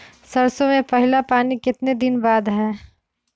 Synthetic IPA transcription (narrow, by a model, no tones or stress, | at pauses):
sɐɾsõmẽpɐɦɪlapaːnikɪt̪ned̪ɪnbaːd̪ɦɛː